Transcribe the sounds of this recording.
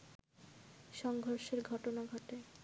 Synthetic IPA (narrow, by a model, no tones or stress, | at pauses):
ʃɔŋɡʱoɾʃeɾɡʱɔʈonaɡʱɔʈe